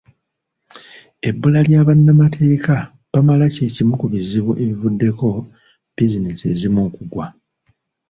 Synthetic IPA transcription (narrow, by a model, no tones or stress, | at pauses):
e̞bːulaljaːβanːamatʰe̞ːka | βamalace̞ːcimukuβiziβuʔe̞βivudːe̞ko̞ | b̥izine̞sie̞zimuːkuɡwa